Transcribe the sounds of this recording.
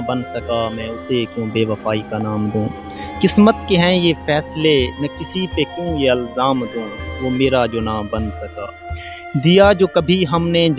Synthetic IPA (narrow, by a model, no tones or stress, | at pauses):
bɐnsɐkaːmɛ̃ːʊsekjũːbeːʋəfaːikanaːmd̪ũː | kɪsmət̪̚keɦɛ̃jefɛːslenɛ̃kɪsipekjũːjeɪlzaːmd̪ũːʋoːmeːɾad͡ʒoːnãːmbɐnsɐka̰ː | d̪ijaːd͡ʒoːkɐbʱiɦɐmned͡ʒ